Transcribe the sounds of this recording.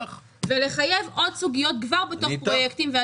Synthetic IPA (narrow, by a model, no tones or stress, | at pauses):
vele̞χaje̞vo̞dsuɡijo̞t̚ɡvaʁbeto̞χpʁo̞jektimvea